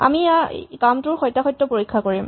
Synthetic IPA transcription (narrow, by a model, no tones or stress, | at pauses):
a̰mḭkamtʊɹxɔjtːaxɔjtːɔpoɹikʰːakoɹim